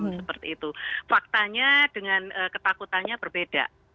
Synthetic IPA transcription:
msəpərt̪ḭːt̪ufak̚t̪aɲad̥əŋanʔəːkət̪akut̪anɲab̥ərbeda̰

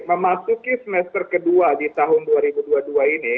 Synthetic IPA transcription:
məmasukisəmɛst̪ərkəduadit̪aɦʊnduaɾibuduaduaini

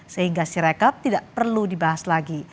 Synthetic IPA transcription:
səhiŋɡasiɾekap̚t̪idaʔpərludibaɦaslaɡi

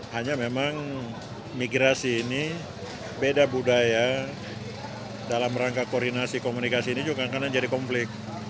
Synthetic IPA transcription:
haɲamemaŋ | miɡɾasiːni | bedabudaja | dalamraŋkakordinasikomunikasiːnid͡ʒuɡaŋkanad͡ʒadikɔmflɪk̚

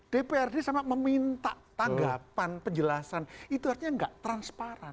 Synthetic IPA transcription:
d̥epeɛrdesamaʔməmint̪aʔt̪aŋɡapanpəɲd͡ʒəlasanit̪uɦaɾusɲaŋɡaʔt̪ɾanspaɾan

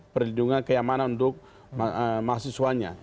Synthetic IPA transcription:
pərlinduŋankəjamananunt̪ʊk̚ | masisuaɲa̰

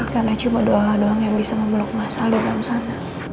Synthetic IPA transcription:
karnat͡ʃumadoɦaŋdoaŋjaŋbisaməməlʊk̚masaladalamsana

